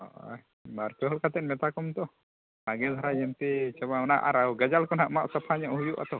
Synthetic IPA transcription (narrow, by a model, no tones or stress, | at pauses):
ɔʔɔj | baɾkɛɦɔlkat̪ɛʔnmɛt̪akɔmt̪ɔ | aɡɛd̪ʱaɾajɛnt̪it͡ʃabaɔnaʔa̰ɾawɡad͡ʒalkɔnaʔmaʔsapʰaɲaʔhujuʔa̰t̪ɔ